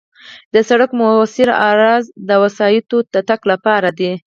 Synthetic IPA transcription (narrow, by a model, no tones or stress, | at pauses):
d̪əsaɽakmosɪɾɑɾɑzd̪əwasɑjɪt̪ot̪aʈaklapɑɾad̪i